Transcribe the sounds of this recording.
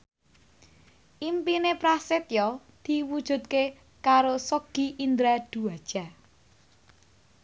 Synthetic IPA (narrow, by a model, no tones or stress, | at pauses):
ʔimpinepɾaset̪jɔ | d̪̥i̤wud̥ʒ̥ṳt̪̚ke | kaɾosoɡ̥iʔind̪ɾad̪̥ṳad̥ʒ̥a̤